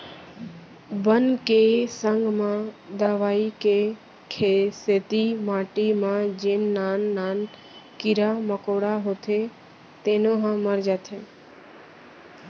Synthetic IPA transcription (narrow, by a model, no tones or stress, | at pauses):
bənkesəŋɡmãd̪əʋaːike | kʰeset̪imãːʈimãd͡ʒenːaːnːaːn | kɪɾaməkoɽaɦot̪ʰe | t̪eːnoɦãməɾd͡ʒat̪ʰe